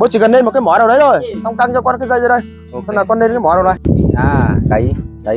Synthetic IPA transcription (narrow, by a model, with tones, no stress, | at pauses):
ɓo˨˦t͡ɕi˧˨ɣə˨˩nːɗe˧nm̚˨˩kːaː˨˦mɔ˨˦naː˨˩wɗə˨˦jzo˨˩jsa˧wŋ͡mk̪a˧ŋt͡ɕɔ˧kɔ˧nkaː˨˦zə˧jzə˨˧˦ɗə˧j | xnaː˨˩kɔ˧nɗe˧nkaː˨˦mɔ˨˦n˨˩ɗə˨˦ji˨aː˧ka˨˦j